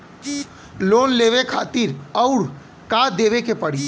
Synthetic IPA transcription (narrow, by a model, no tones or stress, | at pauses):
loːnleːʋekʰaːt̪iɾəʊɽ | kaːd̪eːʋekepəɽ̤i